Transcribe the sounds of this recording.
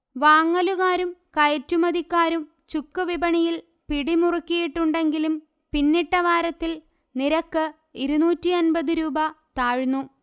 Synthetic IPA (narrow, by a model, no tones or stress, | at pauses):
ʋaːŋːɐluɣaːɾumkɐjɐtːumɐd̪ikʲːaːɾum | t͡ɕukːɨʋibɐɳijil | piɽimurukːijiʈːuɳɖe̞ŋɡilum | pinːiʈːɐʋaːɾɐt̪ːil | niɾɐkːɨ | iɾunuːtːiɐnbɐðuɾuːbɐt̪aːɻnːu